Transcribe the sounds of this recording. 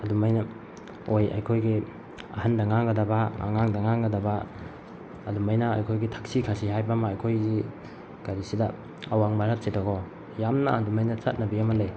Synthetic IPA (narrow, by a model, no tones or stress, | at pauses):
adumajna | oja̰jkʰojɡi | ɐ̰handaŋaŋɡɐdabaa̰ŋaŋdaŋaŋɡɐdabaː | dumajnaa̰jkʰojɡitʰḁksikʰasiɦajbamaːjkʰojzi | ɡ̥aɾisida | awaŋmaɾat̚t͡ʃetaɡɔ | jamna̰ːdumajnɐt͡ʃat̚nɐbiamalaj